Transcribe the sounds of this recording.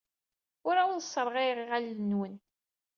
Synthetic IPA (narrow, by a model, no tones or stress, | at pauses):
ʊɾaʊðsˤːəɾˤʁiʁiʁælːənwən